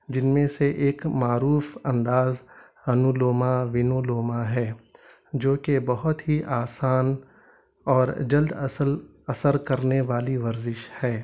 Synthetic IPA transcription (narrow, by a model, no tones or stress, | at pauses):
d͡ʒɪnmẽseʔeːkmaːɾuːfɐ̃nd̪aːz | ɐnuloːmaʋɪnoːloːmaɦɛː | d͡ʒoːkebɐɦʊt̪ɦiʔaːsaːn | ɔːɾd͡ʒɐld̪l | ɐsəɾkɐɾneʋaːliʋɐɾzɪʃhɛː